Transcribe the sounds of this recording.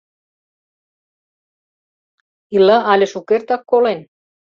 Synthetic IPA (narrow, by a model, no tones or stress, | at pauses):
ilaʔɑlʲeʃukert̪ɑkːolen